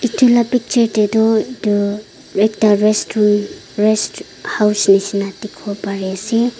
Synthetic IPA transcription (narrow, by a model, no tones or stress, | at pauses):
itʰulapik̚t͡ʃeɾtedɔidu | ɾek̚taɾestn | ɾes | hawsnisinatikʰɔpaɾese